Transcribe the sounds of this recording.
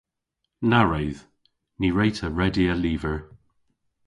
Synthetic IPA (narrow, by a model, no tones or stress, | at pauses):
naɹejð̥ | niɹejtʰəɹɛdiəliːvəɹ